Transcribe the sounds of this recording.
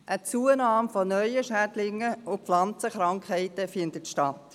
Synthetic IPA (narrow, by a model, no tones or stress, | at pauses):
ʔət͡suənɑːmfɔnœʏəʃædlɪŋːəʊflɑnt͡səχɾɑŋkχhɛɪtəfɪndətʃtɑt